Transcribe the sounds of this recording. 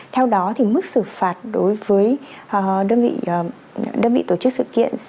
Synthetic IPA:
t̪ʰɛ˧wɗɔ˨˦t̪ʰi˨˩mɨ˦˥k̚sɨ˧˩faː˨˩t̚ɗo˨˦jvəː˨˦jʔɗəː˧nvḭ˧˨˩ | ɗəː˧nvḭ˧˨t̪o˧˩t͡ɕɨ˦˥k̚sɨ̰˧˨kḭ˧˨ən

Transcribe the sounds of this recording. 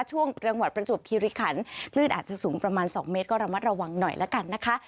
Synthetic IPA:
t͡ɕʰu˥˩əŋɾɯ˧əŋwa˨˩t̪̚pɾa˧t͡ɕu˨˩p̚kʰiː˧ɾi˦˥kʰa˩˦nkʰlɯː˥˩nʔaː˨˩t͡ɕa˨˩suː˩˦ŋpɾa˧maː˧nsɔː˩˦ŋmeː˦˥t̪̚kɔː˥˩ɾa˧wma˦˥ɾa˧wa˧ŋnɔ˨˩jlʔɛ̰ː˦˥ka˧nːa˦˥kʰa˦˥ʔ

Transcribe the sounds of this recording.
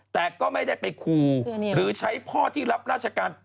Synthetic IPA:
t̪ɛː˨˩kɔː˥˩ma˥˩jda˥˩jpa˧jkʰuː˧ɾɯː˨˩˦t͡ɕʰa˦˥jpʰɔː˥˩t̪ʰiː˥˩ɾa˦˥p̚ɾaː˥˩t͡ɕʰa˧kaː˧n

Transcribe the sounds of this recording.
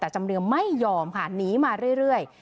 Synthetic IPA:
t̪ɛː˨˩t͡ɕa˧mɾɯ˧əmːa˥˩jːɔː˧mkʰa˥˩niː˨˦˥maː˧ɾɯ˥˩əjɾɯ˥˩əj

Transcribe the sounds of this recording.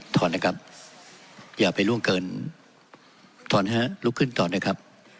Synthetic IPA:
t̪ʰɔː˧nːa˦˥kʰa˦˥p̚ | jaː˨˩pa˧jlu˥˩əmkɤː˧n | t̪ʰɔː˧˩nɦaː˦˥˩lu˦˥kʰːɯ˥˩nt̪ɔː˨˩nɯː˦˥˩kʰa˦˥p̚

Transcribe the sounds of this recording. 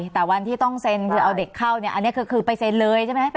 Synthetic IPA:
t̪ɛ˨˩wa˧nt̪ʰiː˥˩t̪ɔ˥˩ŋse˧nkʰɯː˧ʔa˧wde˨˩kʰːa˥˩wni˥˩ɐʔa˧nːi˦˥ɐkʰɯː˧kʰɯː˧pa˧jse˧nlɤː˧jt͡ɕʰa˥˩m˦˥

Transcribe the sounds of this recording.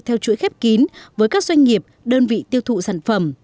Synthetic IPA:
t̪ʰɛ˧wt͡ɕṵ˧˥˦jxɛ˦˥p̚ki˨˦nvəː˨˦jkaː˦˥k̚zwa˧jŋ̟ŋi˨˩əp̚ɗəː˧nvḭ˧˨t̪i˧əwt̪ʰṵ˧˨saː˧˩nfə˨˧˩m

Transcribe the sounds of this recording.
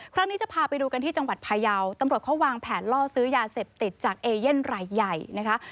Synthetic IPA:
kʰɾa˦˥ŋniː˦˥t͡ɕa˨˩pʰaː˧pa˧jduː˧ka˧nt̪ʰiː˥˩t͡ɕa˧ŋwa˨˩t̪̚pʰaː˧ja˧wt̪a˧mɾu˨˩ət̪̚kʰwaː˧ŋpʰɛː˨˩nlɔː˥˩sɯː˦˥jaː˧seː˨˩p̚t̪i˨˩t̪̚t͡ɕaː˨˩k̚ʔeː˧je˥˩nɾaː˧jːa˨˩jna˦˥kʰa˦˥ʔ

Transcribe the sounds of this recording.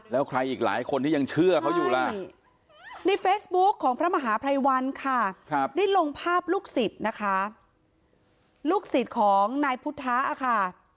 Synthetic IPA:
lɛː˦˥wkʰɾa˧jʔiː˨˩k̚la̰ː˩˦jkʰo˧nt̪ʰiː˥˩ja˧ŋt͡ɕʰɯ˥˩ɐkʰa˦˥wjuː˨˩la˥˩ | na˧jfeː˦˥sbu˦˥kʰːɔː˩˦ŋpʰɾa˦˥ma˧ɦaː˩˦pʰɾa˧jwa˧nkʰa˥˩kʰa˦p̚daː˦˥˩lo˧ŋpʰaː˥˩p̚luː˥˩k̚si˨˩t̪̚na˦˥kʰa˦˥ | luː˥˩k̚si˨˩t̪̚kʰɔː˩˦ŋnaː˧jpʰu˦˥t̪ʰːaː˦˥ʔa˧˩kʰa˥˩

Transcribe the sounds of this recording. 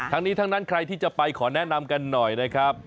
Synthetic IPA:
t̪ʰa˦˥ŋniː˦˥t̪ʰa˦˥ŋnaː˦˥nkʰɾa˧jt̪ʰiː˥˩t͡ɕa˨˩pa˧jkʰɔː˩˦nɛ˦˥na˧mka˧nːɔ˨˩jna˦˥kʰɾa˦˥p̚

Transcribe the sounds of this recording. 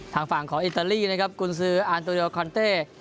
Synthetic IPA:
t̪ʰaː˧˩ŋfa˨˩ŋkʰɔː˩˦ŋʔi˨˩t̪ːaː˧liː˥˩na˦˥kʰa˦˥p̚kʰu˧ns̬ɯː˦˥ʔaː˧nt̪̬u˧ɾoː˧kʰɔː˧nt̪eː˥˩

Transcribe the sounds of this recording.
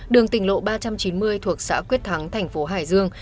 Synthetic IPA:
ɗɨ˨˩əŋt̪ï˧˩ŋ̟lo̰˧˨ɓaː˧t͡ɕa˧mt͡ɕi˨˦nmɨ˧əjt̪ʰu˨˩ək̚sa̰ː˧˥kwət̚t̪ʰa˨˦ŋt̪ʰɛ˨˩jŋ̟fo˨˦ɦaː˧˩jzɨ˧əŋ

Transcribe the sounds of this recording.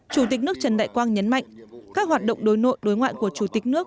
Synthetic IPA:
t͡ɕu˧˩t̪i˨˩k̟̚nɨ˦˥ək̚t͡ɕə˨˩nɗa̰ː˧˨jkwaː˧nɲə˨˦nma̰˧˨jŋ̟kaː˦˥k̚ɦwaː˨˩t̚ɗə̰˧˨wŋ͡mɗo˨˦jno̰˧˨jɗo˨˦jŋwa̰ː˧˨jku˧˩ət͡ɕu˧˩t̪ï˨˩k̚nɨ˦˥ək̚

